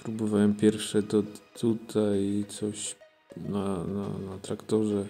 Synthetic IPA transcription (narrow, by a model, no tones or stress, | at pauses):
pɾubɔvawɛmpʲjɛɾfʂɛd̪ɔt̪ʰut̪ʰajt̪sɔɕ | nana̰nat̪ɾakt̪ɔʐɛ